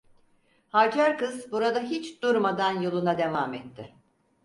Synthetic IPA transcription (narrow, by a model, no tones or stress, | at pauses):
had͡ʒʰæɾkɯzbuɾad̪aɦit͡ʃd̪uɾmad̪anjo̞lˠunad̪e̞vamɛt̪ʰːɪ